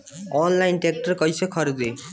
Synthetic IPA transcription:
ɔnlajnʈek̚ʈʌɾkʌjsʌkʰʌɾd̪e

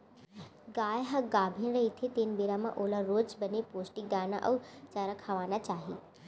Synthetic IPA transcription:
ɡaːjɦɐɡaːbʱinɾɐɦit̪ʰet̪eːnbeːɾamã̰ʔoːlaɾoːd͡ʒbɐnepoːsʈikɡaːnaʔɐ̰ʋt͡ʃaːɾakʰaʋaːnat͡ʃaːɦiː

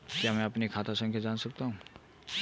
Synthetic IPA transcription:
kiɦamẽɐpnikʰaːt̪ʰasə̃ŋkʰjad͡ʒansək̚t̪aɦũ

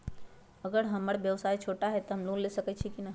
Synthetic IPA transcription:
əɡəɾɦəməɽbjəʋsait͡ʃʰoʈaɦɛt̪ɔɦəmlullesəkɛt̪t͡ʃʰikinaɦ

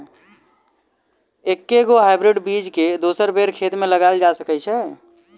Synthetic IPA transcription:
ekːeɡoɦajbɾɪɖbid͡ʒked̪osəɾbeɾkʰet̪meləɡald͡ʒasəkɛt͡ʃʰɛ

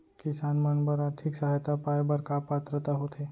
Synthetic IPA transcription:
kisanməɳbəɾaɾt̪ʰiksaɦjt̪apajbəɾkapat̪ɾət̪aɦot̪ʰe

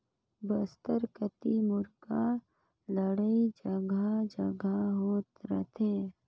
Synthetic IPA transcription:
bəst̪əɾkət̪imʊɾka | ləɽəid͡ʒəɡʱad͡ʒəɡʱaɦoːt̪ɾə̰t̪ʰẽː

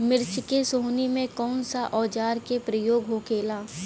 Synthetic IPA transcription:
mɪɾt͡ʃɪkesoːnimẽkɔːnsaʔɔːd͡ʒaːɾkepɾəjoːɡɦokeːlaː

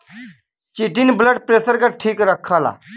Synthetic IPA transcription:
t͡ʃiʈinbləɖ̚pɾeːsəɾkaʈʰiːkɾəkʰːaːla̰ː

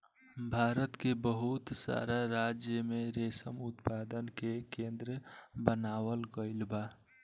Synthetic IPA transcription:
bʱaːɾət̪kebəɦʊt̪sa̰ːɾaɾaːd͡ʒjəmẽɾeːsəmʊt̪paːd̪ənkekẽːnd̪ɾəbənaːwəlɡəɪlbaː

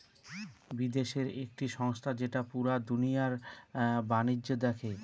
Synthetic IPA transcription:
bid̪eʃeɾek̚ʈiʃɔŋst̪ʰad͡ʑeʈapuɾad̪unijaɾ | baniːod̪ɛkʰe

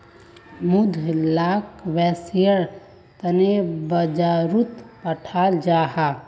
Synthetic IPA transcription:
mud̪ʱlakʋɛsijəɾ | t̪ənebəd͡ʒaɾut̪pəʈʰald͡ʒaɦa

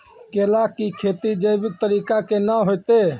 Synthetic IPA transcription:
keːlakikʰeːt̪id͡ʒəjbɪt̪əɾiːkakenaɦojt̪e

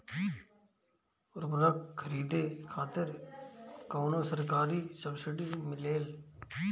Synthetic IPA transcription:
ʊɾbɐlakkʰːɐɾiːd̪eːkʰaːt̪ɪɾ | kɐːnoːsɐɾkaːɾisɐbsɪʈimɪleːl

